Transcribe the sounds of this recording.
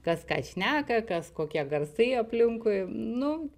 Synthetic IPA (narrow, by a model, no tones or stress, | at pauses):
kɐskɑ̰ːʃʲnʲæːkɐkɐskoːkʲiɛɡɐrsɐɪɐpʲlʲɪŋkʊɪnʊ